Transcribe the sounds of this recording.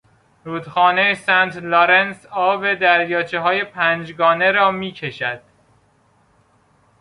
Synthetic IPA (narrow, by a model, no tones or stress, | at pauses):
ɾuːd̪̥xɒːnejesænt̪loɾensɒːbed̪æɾjɒːt͡ʃʰeɦɒːje̞pʰænd͡ʒɡɒːneɾɒːmiːcʰeʃæd̪̥